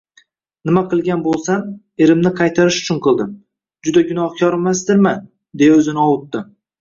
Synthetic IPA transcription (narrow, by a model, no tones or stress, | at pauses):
nɪmaqʰɨlˠɡʲanbolˠsan | eɾɪmnɪqʰɑjt̪ʰaɾɪʃʊ̥t͡ʃʰʊnqʰɨlˠd̪ɪm | d͡ʒʊd̪aɡʲʊnɒhkʲʰɒɾmasd̪ɪɾman | d̪e̞jaɵzɪnɪɒwʊt̪ːɪ